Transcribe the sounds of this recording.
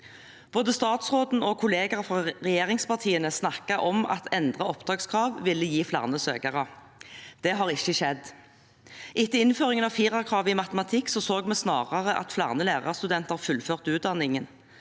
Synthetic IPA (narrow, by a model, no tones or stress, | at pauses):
b̥oːd̪əst̪ɑːt̪sʁoːd̪n̩ɔkʰʊleːɡɑʁfʁɑʁɛjeːʁɪŋspɑʁt̪ʰiːənəsnɑkɑʔɔmɑ̰t̪ʰɛnd̪ʁɑɔpd̪ʁɑːɡskʰʁɑːʋʋɪlːəjiːflɑ̰ʁnəsø̰ːɡɑʁə | d̪̥ɛɦɑːʁɪçːəʃɛd̪ː | ʔɪt̪ːəɪnføːʁɪŋənɑʋfiːʁɑkʰʁɑːʋɪmɑt̪əmɑt̪ʰɪksɔsoːɡmɛsnɑ̰ːʁɑʁəʔɑ̰t̪flɑ̰ʁnəleːʁɑ̰ʁst̪ʉd̪ɛnt̪əʁfʉlføːʁt̪ʉːt̪̚d̪ɑnɪŋən